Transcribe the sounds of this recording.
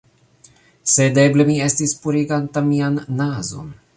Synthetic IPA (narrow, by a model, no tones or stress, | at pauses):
se̞de̞ble̞mie̞stispuɾiɡantamianːazo̞̰n